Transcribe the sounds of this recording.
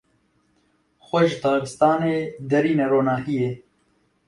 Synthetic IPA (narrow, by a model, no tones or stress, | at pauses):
xoʃt̪ɑːkɪst̪ɑːneːd̪ɐɾiːnɐɾoːnaːhije